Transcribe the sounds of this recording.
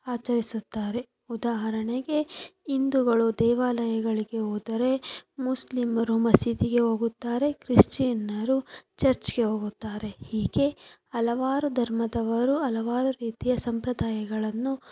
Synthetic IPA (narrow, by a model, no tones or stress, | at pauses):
aːt͡ʃɐɾisut̪ːaːɾe̞ | ud̪aːɦɐɾɐɳeɡe̞ind̪uɡɐɭud̪ɛːʋaːlɐjɐɡɐɭiɡe̞ɦoːd̪ɐɾe̞muslimɐɾumɐsit̪iɡe̞ɦo̞ːɡut̪ːaːɾe̞kɾiʂʈinɐɾut͡ʃɐɾt͡ʃɡe̞ɦo̞ːɡut̪ːaːɾe̞hiːɡe̞ɐlɐʋaːɾud̪ʱɐɾmɐd̪ɐʋɐɾuɐlɐʋaːɾuɾiːt̪ijɐsɐmpɾɐd̪aːjɐɡɐɭɐnːu